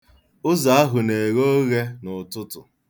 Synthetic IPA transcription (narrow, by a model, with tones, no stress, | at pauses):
ʊ˦za˨a˦ɦʊ˨ne˨ɣo˦ɣe˦nʊ˨tʊ˦tʊ˨